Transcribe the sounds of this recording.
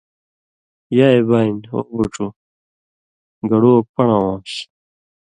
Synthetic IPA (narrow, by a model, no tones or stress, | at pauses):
jaebaːino̰buʈ͡ʂu | ɡɐɽok̚pɐɳawaːmɕ